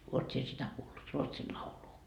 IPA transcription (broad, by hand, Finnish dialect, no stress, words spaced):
uot sie sitæ kuːlːut ruotsil lɑuluː